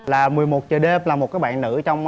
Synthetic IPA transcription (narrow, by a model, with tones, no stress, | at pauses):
laː˨˩mɨ˨˩əjmo˨˩t̚t͡ɕəː˨˩ɗe˧mlaː˨˩mo˨˩t̚kaː˨˦jɓa̰ː˧˨nːɨ̰˧˥t͡ɕɔ˧wŋ͡m